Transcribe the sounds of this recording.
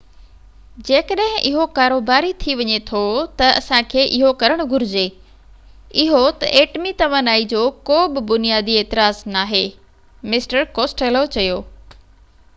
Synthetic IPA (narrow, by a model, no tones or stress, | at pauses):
d͡ʑeːkəɗɦɪ̃ʔɪɦokaːɾoːbaːɾit̪ʰiʋɐɲet̪ʰot̪ɐɐ̰sãkʰeːʔɪɦokɐɾəɽ̃ʊɡʱʊɾɪd͡ʑeː | ɪɦot̪ɐʔeːʈmit̪ɐʋanaːid͡ʑoːkoːbɪ̆bʊnijaːd̪ieːt̪ɪɾaːznaːɦeː | mɪsʈəɾkoːsʈelot͡ɕɐjoː